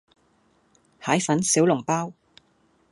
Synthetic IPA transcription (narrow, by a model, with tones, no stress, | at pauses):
haː˨˥jfɐ˨˥nsi˨˥wlʊ˨˩ŋpaː˥w